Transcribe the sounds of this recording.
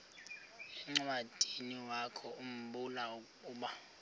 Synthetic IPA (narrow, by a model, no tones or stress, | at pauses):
ɛŋ͡ǀwad̥ʱiniwakʰɔum̩ɓulaukʼuːɓa